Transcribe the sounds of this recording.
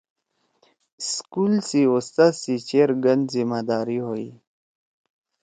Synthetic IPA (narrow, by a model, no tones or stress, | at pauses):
skuːlsiost̪asit͡ɕeɾɡənd̪zimad̪aːɾiɦoi